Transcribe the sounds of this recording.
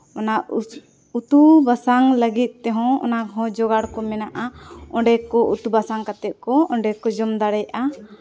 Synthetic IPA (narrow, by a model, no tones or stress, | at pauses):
ɔnaʔ | ut̪ubasaŋləɡit̪̚ˀt̪ɛɦɔ̃ɔ̰nakɦɔ̃d͡ʒɔɡaɽkɔmɛnaʔaɔ̃ɖɛkɔʔut̪ubasaŋkat̪ɛt̪̚ˀkɔɔɳɖɛkɔd͡ʒɔmd̪aɽɛjʔa